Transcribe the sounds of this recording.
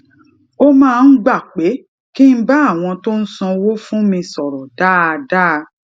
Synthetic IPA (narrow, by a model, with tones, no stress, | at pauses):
o˦mãː˦˧n̩˦ɡ͡ba˦˨k͡pe˨˦ | ki˦n̩˦ba˦˨w̃ɔ̃˧to˦n̩˦sɔ̃˧wo˦fũ˦mĩ˧sɔ˨ɾɔ˨da˦˧da˦˧